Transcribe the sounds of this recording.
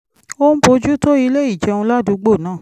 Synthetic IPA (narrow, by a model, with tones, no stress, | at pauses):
o˦n̩˦bo˧d͡ʒu˦to˦i˧le˦i˦˨d͡ʒɛ˧˦˧ũ˧la˦dũ˧ɡ͡bo˦˨nãː˦˨